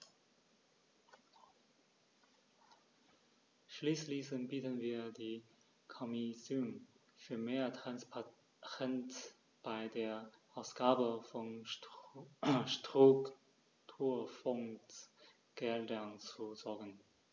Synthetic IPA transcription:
ʃliːslisənbiːtənviːɐdiː | kʰɔmizym | fyːɐmeːɐtʁanspa | ʁɛnt | b̥aɪdeːɐʔaʊsɡ̥aːbəfɔn | ʃtʁ̥uk | tʰuːɐfɔŋt | ɡ̥ɛldɐnt͡suzɔɐɡən

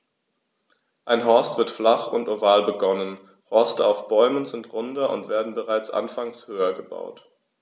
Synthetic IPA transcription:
ʔaɪnɦɔɐstv̥ɪɐtflaχʊntʔovaːlbəɡɔnən | hɔɐstəaʊfb̥ɔʏmənzɪntʁʊndɐʔʊ̰ntv̥eːɐdn̩bəʁaɪt͡sʔa̰nfaŋshøːɐɡəba̰ʊt

